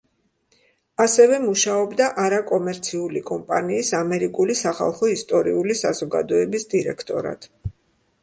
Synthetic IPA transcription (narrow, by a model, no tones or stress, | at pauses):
asɛvɛmuʃaɔbd̪aʔaɾakʼɔmɛɾt̪sʰiulikʼɔmpʼaniːsamɛɾikʼulisaχa̰lˠχɔist̪ʼɔɾḭulisazɔɡa̰d̪ɔɛbisd̪iɾɛ̰kʰt̪ʼɔɾa̰t̪ʰ